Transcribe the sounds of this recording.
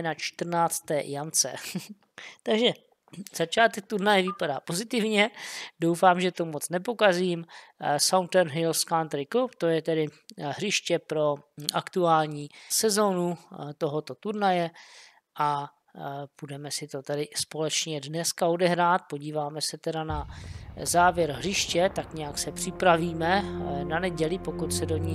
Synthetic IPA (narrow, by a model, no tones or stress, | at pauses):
nat͡ʃt̪r̩naːt͡st̪ɛːjamt͡sɛ̰ | t̪aɡʒɛ | z̥at͡ʃaːt̪ɛk̚t̪uɾnajɛvɪpadaːpo̞zɪt̪ɪvɲɛdowfaːmʒɛt̪o̞mo̞t͡snɛpo̞kaziːmsawnt̪ɛnɦɪlskant̪ɾɪkopt̪o̞jɛt̪ɛdɪɦr̝ɪʃcɛpɾo̞ʔakt̪uaːlɲiːsɛzo̞ːnut̪o̞ɦo̞t̪o̞t̪uɾnajɛ | ʔa | pudɛmɛsɪt̪o̞t̪ɛdɪspo̞lɛt͡ʃɲɛdnɛskao̞dɛɦɾaːt̪̚po̞ɟiːvaːmɛsɛt̪ɛdanazaːvjɛɾɦr̝ɪʃcɛt̪akɲɛjaksɛpr̝̥ɪpɾaviːmɛnanɛɟɛlɪpo̞kut̪sɛdo̞ɲi